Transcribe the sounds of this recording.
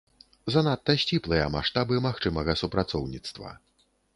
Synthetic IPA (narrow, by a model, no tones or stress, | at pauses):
zɐnat̪ːɐsʲt͡sʲiplˠɨjɐmaʂt̪abɨmaxt͡ʂɨmɐɣɐsupɾat̪sɔwnʲit̪st̪vɐ̰